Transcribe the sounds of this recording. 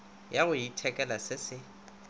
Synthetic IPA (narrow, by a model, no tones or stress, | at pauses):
jaɣʊitʰɛkʼɛlasɪsɪ